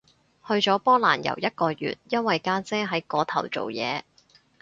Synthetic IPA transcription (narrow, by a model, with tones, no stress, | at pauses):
hɵ˧ɥt͡sɔː˨˥pɔː˥la̰ː˨˩njɐ̰˨˩wjɐ˥t̚kɔː˧jy̰ː˨t̚jɐ˥nwɐ˨jkaː˥t͡sɛː˥ɦɐ˨˥jkɔː˨˥t̪ʰɐ˨˩wt͡so̰˨wjɛ̰ː˨˧